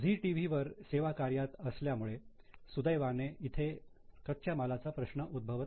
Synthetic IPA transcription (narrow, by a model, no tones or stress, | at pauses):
d͡zʱiʈiʋ̤iʋəɾseʋakaɾjat̪əsljamuɭe | sud̪əjʋaneit̪ʰe | kət̪̚t͡ɕʰjamalat͡sapɾəɕɳəʔud̪̚bʱəʋt̪